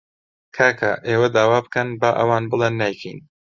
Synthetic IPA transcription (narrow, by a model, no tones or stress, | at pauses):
kʰaːkʰa̰ːʔeːwɐd̪aːwaːbɨkɐnbaːʔɐwaːnbɨlˠenːaːjkʰḭjn